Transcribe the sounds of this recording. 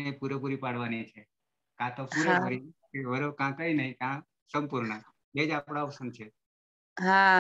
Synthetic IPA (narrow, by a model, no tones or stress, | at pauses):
epuɾep̬uɾipaɽʋanit͡ʃʰe | kãt̪opuɾekəɾikeʋəɾokãkəinəɦĩkã | səmpuɾɳə | ed͡ʒapɽ̃aɔpsənt͡ʃʰe | ɦã